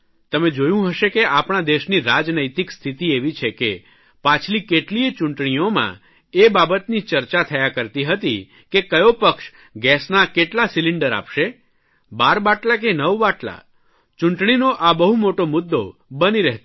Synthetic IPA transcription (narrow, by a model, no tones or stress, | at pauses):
t̪əmed͡ʒojũɦəʃekeʔapɳ̃ad̪eʃniɾad͡ʒnəjt̪ikst̪ʰit̪ieʋit͡ʃʰeke | pãt͡ʃʰlikeʈlit͡ʃʊɳʈɳ̃iomã̰ | ebabət̪nit͡ʃəɾt͡ʃat̪ʰəjakəɾt̪iɦət̪i | kekəjopəkʃ | ɡɛsnakeʈlasilɪɳɖəɾa̰pʃe | baɾbaʈlak̬enəʋbaʈla̰ | t͡ʃuɳʈɳ̃inoʔabəɦumoʈomʊd̪ːobəniɾɛɦt̪